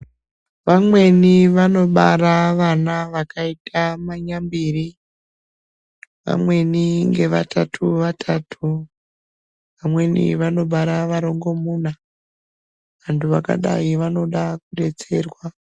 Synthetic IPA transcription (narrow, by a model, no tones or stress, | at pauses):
ʋamwe̞niʋano̞ɓa̰raʋanaʋakaitʰamaɲambiri | ʋa̰mwe̞niŋɡe̞ʋa̰tʰatʰuʋatʰatʰu | ʋamwe̞nḭʋano̞ɓaɾaʋaɾo̞ŋɡo̞muːna | ʋantʰuʋaka̰ɗa̰iʋano̞ɗakuɗe̞t͡se̞ːrwa